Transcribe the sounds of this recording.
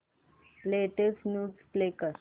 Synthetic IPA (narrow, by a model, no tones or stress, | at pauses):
leʈesʈnuːsplekəɾ